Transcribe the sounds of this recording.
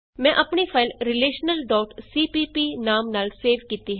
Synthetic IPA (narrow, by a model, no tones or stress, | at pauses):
mɛ̃ːʔəpɳiːpʰaːɪlɾɪleːʃnəlɖɔːʈsiːpiːpiːnaːmnaːlseːʋkiːt̪iɦɛ